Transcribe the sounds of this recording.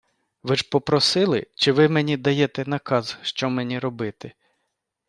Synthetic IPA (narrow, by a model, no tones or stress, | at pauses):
ʋɪʒpɔpɾɔsɪlˠɪt͡ʃɪʋɪmenʲid̪ɐjɛt̪ɛnɐkɑzʃt͡ʃɔmenʲiɾɔbɪt̪ɪ